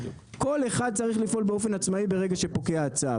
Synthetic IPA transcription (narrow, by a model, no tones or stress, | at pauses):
ko̞le̞χad̪̚t͡saʁiχlifʔo̞lbeo̞fe̞nat͡smaibe̞ʁe̞ɡaʃe̞po̞ke̞aːt͡sa